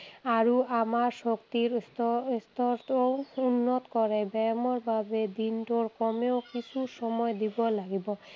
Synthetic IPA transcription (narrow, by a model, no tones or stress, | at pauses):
aɹuʔamaɹsokt̪iɹst̪st̪ɔt̪ounːɔt̪kɔɹɛbɛmɔɹbʱabed̪intoɹkɔmeokisʰusɔmɔjd̪ibɔlaɡibɔ